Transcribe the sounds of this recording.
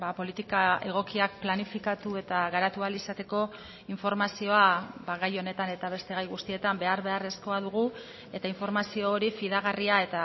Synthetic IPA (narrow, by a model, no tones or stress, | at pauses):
bapo̞lit̪ikae̞ɣ̞o̞kiak̚planifikat̪ue̞t̪aɣaɾat̪ualisat̪e̞ko̞ | iɱfo̞ɾmasio̞abaɣajo̞ne̞t̪ane̞t̪aβ̞e̞st̪e̞ɣajɣust̪ie̞t̪ambe̞aɾβe̞are̞sko̞aðuɣ̞u | e̞t̪aiɱfo̞ɾmasio̞ːɾifiðaɣ̞ariae̞t̪a